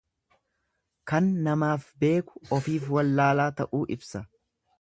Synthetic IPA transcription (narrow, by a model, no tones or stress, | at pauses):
kɐnːɐmaːfbe̞ːkʊ̥ɔfiːfwɐlːaːlaːt̪ɐʔuːʔɪbsɐ